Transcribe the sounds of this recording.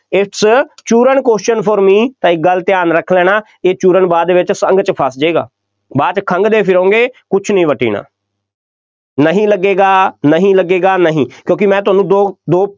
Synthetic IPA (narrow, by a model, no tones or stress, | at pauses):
ɪʈst͡ʃuːɾəɳkoːsʃənpʰoːɾmiːt̪ãːɪk̚ɡəlt̪ɪjaːnɾəkʰlɛːnaː | eːt͡ʃuːɾəɳbaːd̪eːʋɪt͡ʃsə̃ŋɡt͡ʃpʰəsd͡ʒeːɡa̰ː | baːt͡ʃkʰəŋɡd̪eːpʰɪɾõːŋɡeːkʊt͡ʃʰnəĩːʋəʈḭːna̰ː | nəɦĩːləɡeːɡaːnəɦĩːləɡeːɡaːnəɦĩːkjõːkɪmɛ̃ːt̪ʊɦaːnũːd̪oːd̪oː